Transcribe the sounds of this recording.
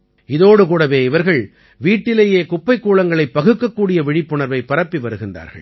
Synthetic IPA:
ɪðoːɽɯkuːɽɐʋeːɪʋɐɾɣɐɭ | ʋiːʈːɪleːjeːkʊpːɐɪkːuːɭɐŋɡɐɭɐɪpːɐɣɯkːɐkːuːɽɪjɐʋɪɻɪpːɯɳɐɾʋɐɪpːɐɾɐpːiʋɐɾɯɣɪndra̰ːɾɣɐ̰ɭ

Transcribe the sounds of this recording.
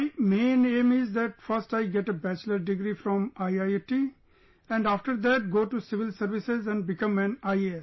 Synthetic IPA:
mẽːnẽːmɪzd̪æʈfʌɾsʈaɪɡɛʈebæt͡ʃləɾɖɪɡɾifɾɔ̃maɪaɪʈi | ɛ̃ɳɖaːfʈəɾd̪æʈ̚ɡoːʈusɪʋɪlsəɾʋɪsezɛ̃ɳɖbɪkʌ̃mæ̃naɪes

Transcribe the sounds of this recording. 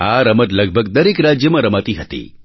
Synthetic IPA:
aɾəmət̪ləɡ̚bʱəɡd̪əɾekɾad͡ʒjəmãɾəmat̪iɦət̪ḭ

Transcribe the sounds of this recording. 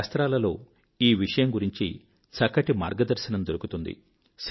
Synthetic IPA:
st̪ɾaːlɐlo̞ː | iːʋiʂɐjɐmɡuɾiɲt͡ʃḭ | sɐkɐʈima̰ːɾɡɐd̪ɐɾʃɐnɐmd̪oɾukut̪und̪ḭ | s

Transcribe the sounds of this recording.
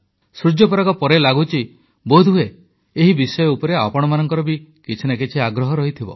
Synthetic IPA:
sɾud͡ʒjɔpɔɾakɔpɔɾelaɡut͡ʃi | bod̪ʱue | eɦibisɔjɔupɔɾeapɔɽ̃ɔmanɔŋkɔɾɔbikit͡ʃʰinakit͡ʃʰiaɡɾɔɦɔɾɔɦit̪ʰibɔ̰

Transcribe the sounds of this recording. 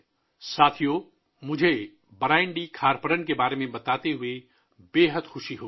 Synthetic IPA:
saːt̪ʰijoː | mʊd͡ʒʱe | bəɾaːɪɳɖikʰaːɾpəɾənkebaːɾemẽbɐt̪aːt̪eɦʊe | beːɦəd̪xʊʃiɦoː

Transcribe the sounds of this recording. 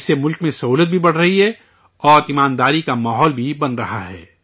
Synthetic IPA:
semʊlkmẽsɐɦuːlət̪̚bʱibɐɽ̤ɾɐɦiɦɛ | ɔːɾɪmaːnd̪aːɾikamaːɦɔːlbʱibɐnɾɐɦaɦɛ̰ː

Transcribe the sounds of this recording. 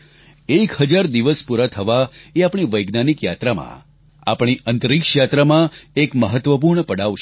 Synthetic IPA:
ekɦəd͡ʒaɾd̪iʋəspuɾat̪ʰəʋaeapɳ̃iʋəjɡnanikjat̪ɾamã̰ | a̰pɳ̃iʔənt̪ɾikʃjat̪ɾamãekməɦət̪ʋəpuɾɳəpəɽaʋʃ

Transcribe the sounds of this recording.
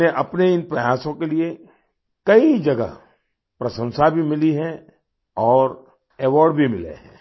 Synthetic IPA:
eʔɐpneɪnpɾɐjaːsõkelie | kɐid͡ʒɐɡə̰ | pɾɐʃə̃nsabʱimɪliɦɛ̃ | ɔːɾ | ɛːʋɔːɾɖbʱimɪlḛɦɛ̃ː

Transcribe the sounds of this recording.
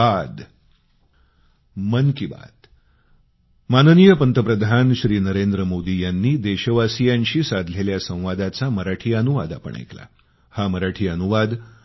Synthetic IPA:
ad̪ | mənkiba̰t̪ | manənijəpənt̪əpɾəd̪ʱanɕɾiːnəɾend̪ɾəmod̪ijanːiːd̪eɕəʋasijãɲɕiːsad̪ʱleljasə̃w̃ʋad̪at͡saməɾaʈʰiːənuʋa̰d̪a̰pə̰ɳḛkla̰ | haməɾaʈʰiːənuʋad̪

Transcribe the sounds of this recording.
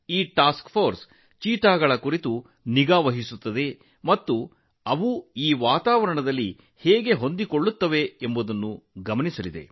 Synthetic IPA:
iːʈaːskpʰoːɾs | t͡ʃiːt̪aːɡɐɭɐkuɾit̪u | niɡaːʋɐɦisut̪ːɐd̪e̞ | mɐt̪ːu | ɐʋuiːʋaːt̪aːʋɐɾɐɳɐd̪ɐlːi | hɛːɡe̞ɦo̞nd̪iko̞ɭːut̪ːɐʋe̞embud̪ɐnːuɡɐmɐnisɐlid̪e̞̰

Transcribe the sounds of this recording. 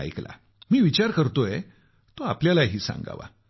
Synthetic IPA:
a̰jkla̰ | miːʋit͡ɕaɾkəɾt̪oe | t̪oapljalaɦiːsã̰ŋɡa̰ʋa̰

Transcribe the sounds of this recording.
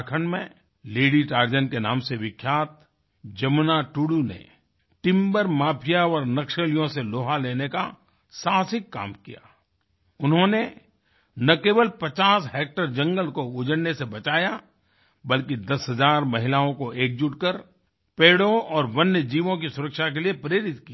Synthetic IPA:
kʰənmẽ | leːɽiʈaːɾd͡ʒənkenãːmseʋɪkʰːjaːt̪̚ | d͡ʒɐmnaʈuːɽunḛ | ʈɪ̃mbəɾmaːpʰijaɔːɾnɐkʃəlijõseloːɦaleːneka | saːsɪkːa̰ːmkija̰ː | ʊnɦõne | nɐkeːbəlpɐt͡ʃaːsɦeːk̚ʈəɾd͡ʒɐ̃ŋɡəlkoʊd͡ʒəɽnesebɐt͡ʃaːja | bɐlkid̪ɐsɦɐzaːɾmɐɦɪlaːõkoeːk̚d͡ʒʊʈkəɾ | peːɽõɔːɾʋɐnjəd͡ʒiːʋõk̬isʊɾəkʃakeliepɾeːɾɪt̪kia

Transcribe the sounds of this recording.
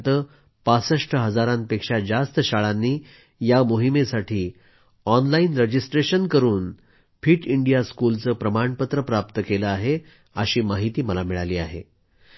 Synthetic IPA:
t̪əː | pasəʂʈʰəɦəd͡zaɾãnpekʂad͡zast̪əɕaɭanːiː | jamoɦimesaʈʰiː | ɔnlainɾəd͡ʑisʈɾeɕənkəɾuːn | fiːʈiɳɖijaskult͡səːpɾəmaɳpət̪ɾəpɾapt̪əkeləaɦe | ə̰ɕiːmaɦit̪iːməlamiɭaliːa̰ɦḛ

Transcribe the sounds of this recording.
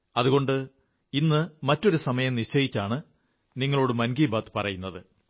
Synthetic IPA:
ɐðuɣo̞ɳɖɨ | inːɨmɐtːo̞ɾusɐmɐjɐmniɕt͡ɕːɐjit͡ɕːaːɳɨ | niŋːɐɭo̞ːɽɨmɐnɡiːbaːt̪ːɨ̥pɐrɐjunːɐðɨ

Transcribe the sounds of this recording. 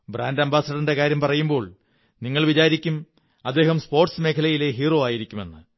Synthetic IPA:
braːndɐmbʱaːsɐɽinde̞kaːɾjɐmpɐrɐjumbo̞ːɭ | niŋːɐɭʋit͡ɕaːɾikʲːum | ɐd̪ːeːɦɐmspo̞ːrʈsme̞ːkʰɐlɐjile̞ɦiːro̞ːaːjiɾikʲːume̞̰nːɨ

